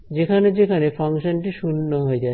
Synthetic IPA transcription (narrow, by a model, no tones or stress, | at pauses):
d͡ʑekʰaned͡ʑekʰanefʰaŋʃonʈiʃunːoɦoed͡ʒa